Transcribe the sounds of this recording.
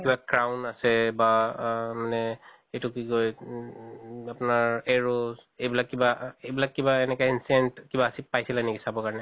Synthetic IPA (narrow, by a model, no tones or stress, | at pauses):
kibakɹawnasɛbamanɛ | ejtʊkikoj | apnaɹeɹozejbilakːibaejbilakːibaenɛkainsientkibaːsipajsilanekisabɔkaɹɔnɛ